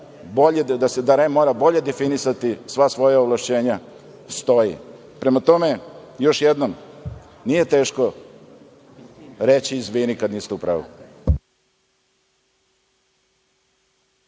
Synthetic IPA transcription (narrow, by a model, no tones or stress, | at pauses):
boʎed̪ased̪aɾemo̞ːɾabo̞ʎe̞d̪efinisat̪isʋasʋo̞jaoʋlˠaʃt͡ɕe̞ːɲa | st̪o̞jḭ | pɾe̞mat̪o̞me̞jo̞ʃjed̪nom | nije̞t̪e̞ːʃko | ɾet͡ɕiːzʋiːnikad̪niːst̪eupɾa̰ːʋṵ